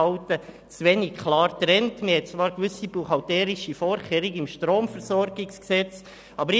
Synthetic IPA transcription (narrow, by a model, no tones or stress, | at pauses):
ɑʊtə | t͡sʋɛnikkʰlɑːɾt̪ɾɛntməhɛt̚t͡svɑːɾkʋʏsibuχɑltɛːɾiʃifoːɾχɛːɾiɡɪmʃtɾoːmfɛɾsɔɾɡɪksksɛt͡s | ɑbəɾ